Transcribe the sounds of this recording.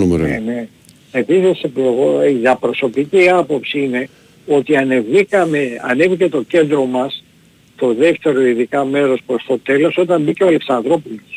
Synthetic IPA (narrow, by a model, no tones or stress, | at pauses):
numɾene | episiseploɣoiðɐpɾo̞so̞piciːɐpo̞psiine̞ | o̞t̪iɐnevikɐmeɐ̰ne̞vice̞t̪o̞ce̞nd̪ɾo̞mɐs | t̪o̞ðe̞ft̪e̞ɾo̞iðikɐme̞ɾo̞spɾo̞st̪o̞t̪e̞lo̞so̞t̪ɐmbiceoɐle̞ksɐnðɾo̞polos